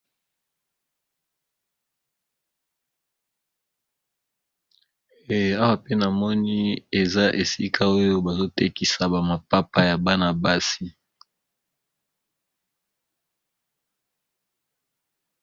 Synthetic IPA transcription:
e˨a˦wa˦˨pe˦na˨mɔ˦ni˦e˨za˦ʔe˨si˦kʰa˦o˦jo˦ba˨zo˦te˦ki˨sa˨ba˨ma˨pa˦pa˦ja˨ba˦na˨ba˦si˦

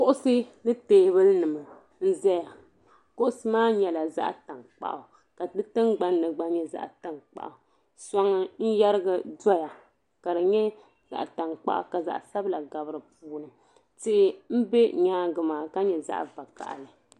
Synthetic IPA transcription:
kʊ˦ʔʊ˦sɨ˦nɨ˦teː˨˦bɨ˦lnɨ˨mɨ˨ | n̩˦zɛ˦ja˨ | kʊ˦ʔʊ˦sɨ˦maː˦ɲɛ˨la˨za̰˦ʔta˨ŋk͡pa̰˨ʔʊ˨ | ka˨dɨ˦tɨ˦ŋɡ͡ba˦nːɨ˨ɡ͡ba˦ɲɛ˦za̰˦ʔta˦ŋk͡pa̰˨ʔa˨ | sa˦ŋɨ˦n̩˦ja˦ɾɨ˦ɡɨ˦da˦ja˨ | ka˨dɨ˨ɲɛ˦ | za̰˨ʔta˨ŋk͡pa̰˦ʔa̰˨ka˨za̰˨ʔsa˦bla˨ɡa˨bɨ˦ɾɨ˨puː˨˦nɨ˨ | tɪ˦ʔɪ˦m̩˦bɛ˦ɲaː˦ɡɨ˨maː˨ka˦ɲɛ˨za̰˦ʔva˨ka̰˨ʔlɨ˨

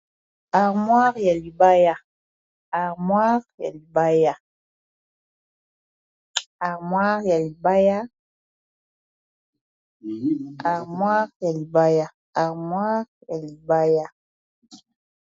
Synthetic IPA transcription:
a˨ʁmwa˦ʁja˨li˨ba˦ja˦ | a˨ʁmwa˦ʁja̰˨li˨ba˦ja˦ | a˨ʁmwa˦ʁja˨li˨ba˦ja˦ | a˨ʁmwa˦ʁja˨li˨ba˦ja˦ | a˨ʁmwa˦ʁja˨li˨ba˦ja˦

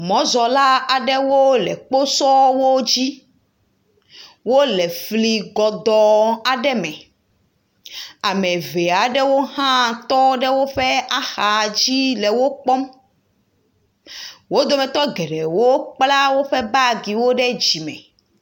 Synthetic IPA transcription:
mɔ̃˨˦zɔ˨la˦a˨ɖɛ˦wo˦lɛ̰˨k͡po˦sɔ˦wo˦d͡ʑi˦ | wo˦lɛ˨fli˨ɡɔ˨d̪ɔ˨a˨ɖɛ˦mɛ̃˨ | a˨mɛ̃˨ve˨a˨ɖɛ˦wo˦ɦã˦t̪ɔ˦ɖɛ˦wo˦ɸɛ˦a˦xa˨d͡ʑi˦lɛ˨wo˦k͡pɔ˦m | wo˦d̪o˦mɛ̃˨t̪ɔ˦ɡɛ˨ɖɛ˨wo˦k͡pla˦wo˦ɸɛ˦ba˦ɡi˨wo˦ɖɛ˦d͡ʑi˨mɛ̰̃˨

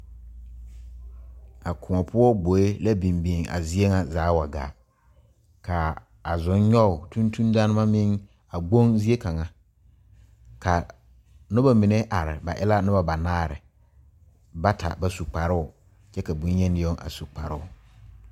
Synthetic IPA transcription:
a˨kʰʊ˨ŋɔ˨pʰʊ˦ɔ˦ɡ͡bo˨˦e˦la˦bi˨mbi˨ŋa̰˨zɪ˦e˦ŋa˨zaː˨˦wa˨ɡa̰ː˨ | kaː˨ | zʊ˨˦ɲɲɔ˦ʊ˨tu˦ntʰu˦ndaː˦nɪ˦ma˦mɪ˦ŋ | a˨ɡ͡bo˦ŋzi˦e˦ka˨ŋa˨ | ka˨ | nʊ˦ba˦mɪ˨ne˦ʔa˨ɾɪ̰˨ba̰˨ʔɪ˦la˦nʊ˦ba˦ba˨naː˦˨ɾɪ̰˨ | ba˦tʰa̰˨ba˦su˨k͡pa˨ɾɪ˦ʊ˨ | t͡ʃɛ˦ka˨bu˨ɲ˦ɲɛ˦nɪ˦o˦ŋa̰˨su˨k͡pa̰˨ɾɪ˦ʊ˨

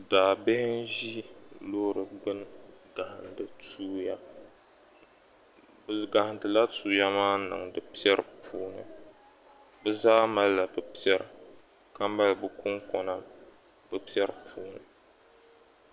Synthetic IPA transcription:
daː˨bɛ˦n˦ʒi˦lo˦ɾɨ˨ɡ͡bɨ˦nɡa˨hɨ˨ndɨ˨tuː˦ja˦ | bɨ˨ɡa˨hɨ˨ndɨ˨la˦tuː˦ja˦maː˦nɨ̰˨ŋdɨ˨pi˦ɛ˦ɾɨ˨pʰuː˦nɨ̰˨ | bɛ˦zaː˦ma˦lla˨bɨ˨pi˦ɛ˦ɾɨ˨ | ka˦m˦ba˦lbɨ˦kʊ˦ŋkɔ˦na˦ | bɨ˦pi˦ɛ˦ɾɨ˨pʰuː˦nɨ˨

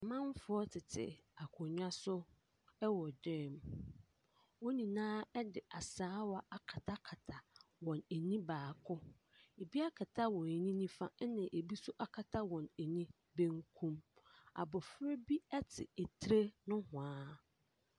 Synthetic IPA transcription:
mã˦m˦fʊ˦ɔ˦tʰɪ˨tʰɪ̰˨a˨kʰʊ˨ɲᶣã˦sʊ˦ | ɛ˦wɔ˨dɪ̃˦˨m | wɔ˦nĩ˨nãː˦ɛ˦dɪ˨ʔa˨saː˦wa˦a˨kʰa˨tʰa˦kʰa˨tʰa˨wɔ̃˨ne˨nĩ˦baː˨kʰʊ˦ | e˨bi˦a˦kʰa˨tʰa˦wɔ̃˨nɛ˨nĩ˦nĩ˦fã˦nɪ̃˨ʔe˨bi˦sʊ˦ʔa˨kʰa˨tʰa˦wɔ̃˨ne˨nĩ˦ | be˦ŋ˦kʰũ˦ma̰˨bʊ˨fɾe˦bi˦ɛ˦tʰɪ̰˨e˨tʰɾe˦nʊ̃˦hʊ̃˨ãː˦

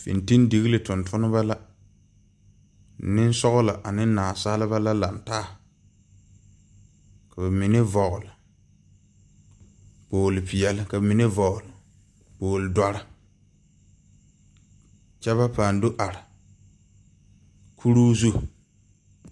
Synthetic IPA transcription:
fḭ˨nti˦ndi˨ɣi˦lɪ˨tʊ˨ntʰʊ˦nɪ˦ba˦la˦ | nɪ˦n˦sɔ˦ɣʊ˦la˨ʔa˨nɪ˦naː˨saː˦lɪ˦βa˦la˦la˨ntaː˦ | ka˨ba˨mi˨ne˦vɔ˨ɣʊ˨lɪ˨ | poː˨lɪ˨pi˨jɛ˨lɪ˦ka˨bmi˨ne˦vɔ˨ɣʊ˨lɪ˨ | poː˨lɪ˨dwa˨ɾɪ˦ | t͡ʃɛ˦βa˦paː˨ndo˦ʔa˨ɾɪ˨ | kʰu˦ɾuː˦zu˦

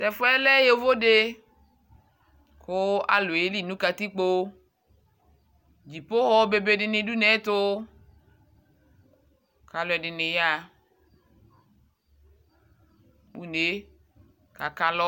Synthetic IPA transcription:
tɛ˨fo˦ɛ˦lɛ˦je˦vo˦ɖe˦ | ko˦a̰˨lo˨je˦li˦˨nũ˦ka˨t̪i˦k͡po˦ | d͡ʒi˨po˦ɣɔ˦be˨be˦ɖɪ˨nẽ˨du˦nɛ˨˦t̪o˦ | ka˨lo˨˦ɛ˨dɪ˨ne˨ja˦ | wṵ˨˦ne˨˦ | ka˨ka˨lɔ˦

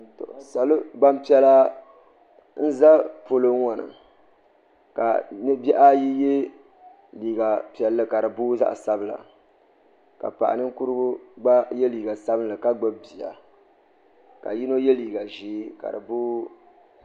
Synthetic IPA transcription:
to̰˨ʔsa˨lɨ˦ɡ͡ba˦m˦pi˦ɛ˦la˦ | n̩˦za˦po˦˨lo˦ŋɔ˨nɨ̰˨ | ka̰˨nɨ˦bɛ˦ʔa˦ji˦je˦ | liː˨ɡa˨pi˨ɛ˨lːɨ˦ka˨ɾɨ˨buː˦za̰˦ʔsa˦bɨ˦la̰˨ | ka̰˨pa̰˨ʔa̰˨nɨ˦ŋ˦ku˦ɾɨ˦ɡʊ˦ɡ͡ba˦jɛ˦liː˨ɡa˨sa˦bɨ˦nlɨ˨ka˦ɡ͡bɨ˦bi˨a̰˨ | ka̰˨ji˦no˦jɛ˦liː˨ɡa˨ʒiː˦ka̰˨ɾɨ˨buː˦

